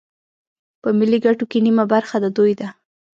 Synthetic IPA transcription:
pəmɪliɡaʈokenimabaɾxad̪ad̪ojd̪a

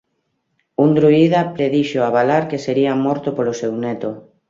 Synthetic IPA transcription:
und̪ɾuiðapɾeðiʃoaβ̞alaɾkeseɾiamɔɾt̪opolosewnɛt̪o

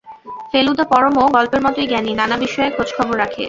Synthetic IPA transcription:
felud̪ʱapɔɾomoɡɔlpeɾmɔt̪ojɡɛninanabiʃɔekot͡ɕkʰɔboɾɾakʰḛ

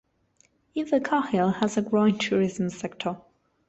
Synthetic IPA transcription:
ɪ̃ðəkʰɑhɪlˠəzəɡɹoʊɪ̃ntʰʉːɹɪzə̃msɛk̚tʰə

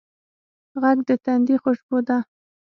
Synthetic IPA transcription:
ɣaɡd̪ət̪and̪ixʊʃbod̪a

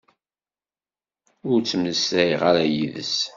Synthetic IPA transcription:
ʊɾt͡sːəmnəsæjʁaɾæjiðə̰s

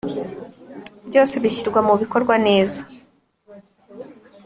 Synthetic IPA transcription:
bjo̞ːse̞βiçiɾɡwamuβiko̞ɾɡwane̞ːza

